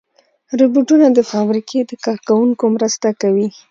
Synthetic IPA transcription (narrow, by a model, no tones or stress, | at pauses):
ɾʊbuʈunad̪əfɑbɾikʰed̪əkɑɾkawuŋkomɾəst̪akawi